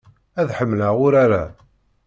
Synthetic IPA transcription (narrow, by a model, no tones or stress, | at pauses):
æðħəmːlaʁʊɾaɾa